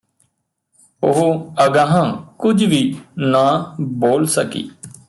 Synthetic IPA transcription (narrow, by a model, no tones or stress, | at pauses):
ʊɦoəɡãːɦãːkʊd͡ʒʋiːnaːboːlsəkḭː